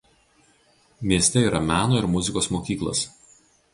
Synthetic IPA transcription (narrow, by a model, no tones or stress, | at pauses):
mʲiɛsʲt̪ʲɛiːɾɐmʲæːnoːɪɾmʊzʲɪkoːsmoːkʲiːklˠɐ̰s